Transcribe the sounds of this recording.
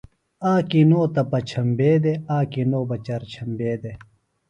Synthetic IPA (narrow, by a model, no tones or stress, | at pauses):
aːkinoːt̪ɐpɐt͡ɕʰɐmbeːd̪eaːkinoːbɐt͡ɕɐɾt͡ɕʰɐmbeːd̪e